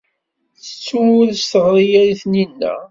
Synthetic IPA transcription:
θə̥t͡sːuwʊðst̪əʁɾˤijæɾiθninːæ̰

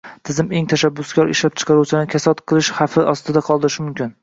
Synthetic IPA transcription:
t̪ʰɪzɪme̞ŋt̪ʰaʃabːʊskʲɒɾɪʃlap̚t͡ʃʰɨ̥qʰɑɾuwt͡ʃʰɪlaɪkʲʰasɒt̪qʰɨlˠɪʃhafɪʔɒst̪ɪd̪aqʰɒlˠd̪ɪɾɪʃɪmʊmkʲɪn

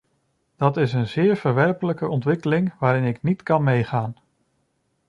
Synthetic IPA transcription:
d̥ɑtɪsənzɪːɹvəɹʋɛɹpələkəʔɔntʋɪkəlɪŋʋaːɾɪnɪknitkɑnmejχaːn

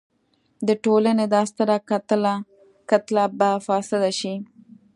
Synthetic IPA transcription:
d̪əʈolaned̪ɑst̪əɾakat̪əla | kat̪labafɑsɪd̪aʃi

